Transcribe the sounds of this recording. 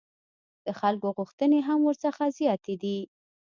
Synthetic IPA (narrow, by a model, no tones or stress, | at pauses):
d̪̥əxalkoɣuxt̪əneɦamwəɾsəxazijɑt̪ed̪i